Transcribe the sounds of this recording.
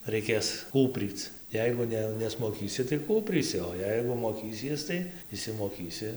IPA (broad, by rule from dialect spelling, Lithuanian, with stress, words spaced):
rʲɛɪˈkʲeːs ˈkuːpʲrʲiːt͡s ˈjɛɪɡʊ ˈnʲɛ nʲɛsmoːˈkʲiːsʲɪ tɐɪ ˈkuːpʲrʲiːsʲɪ oː ˈjɛɪɡʊ moːˈkʲiːsʲiɛs tɐɪ ɪʃʲsʲɪmoːˈkʲiːsʲɪ